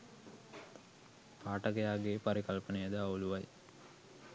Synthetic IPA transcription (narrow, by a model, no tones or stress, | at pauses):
paːʈɐkəjaːɡepaɾikɐlpənejəd̪əauluʋaj